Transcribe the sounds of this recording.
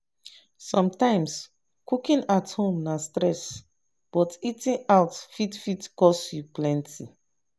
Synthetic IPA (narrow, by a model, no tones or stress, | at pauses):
sɔ̃mtãɪ̃ms | kukĩnathõmnastɹɛs | b̥ɔtitĩnaʊtfitfitkɔsjuplɛ̃ntʰi